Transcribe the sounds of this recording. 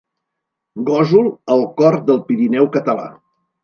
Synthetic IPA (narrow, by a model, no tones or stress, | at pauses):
ɡɔzuləlˠkɔɾd̪əlˠpiɾinɛwkət̪əla̰